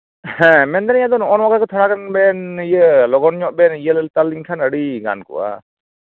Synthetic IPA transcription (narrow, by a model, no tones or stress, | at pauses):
hɛ̃mɛnd̪anijad̪ɔnɔnwaɡakɔt̪ʰɔɽakanbɛnijəlɔɡɔnɲɔʔ̚bɛnijəllt̪aliŋkʰanəɽiɡa̰nkṵʔa̰